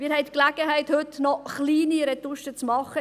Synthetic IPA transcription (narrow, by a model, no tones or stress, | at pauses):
miːɾhɛɪtklæɡ̥əɦɛɪthʏtnɔχliːniɾɛtuʃət͡smɑχə